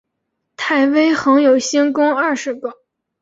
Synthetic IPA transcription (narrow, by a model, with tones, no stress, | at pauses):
t̪ʰa˥˩ɪwe˥ɪxɤ˧˥ŋjo˨˩ʊɕi˥ŋkʊ˥ŋɐ˥˩ʂɻ̩˧˥kɤ˥˧˦